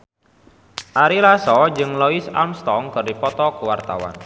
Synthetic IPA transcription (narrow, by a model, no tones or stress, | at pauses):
ʔaɾilasɔd͡ʒɨŋlɔisa̰mst̪ɔŋkɨrdipɔt̪ɔkəwart̪awa̰n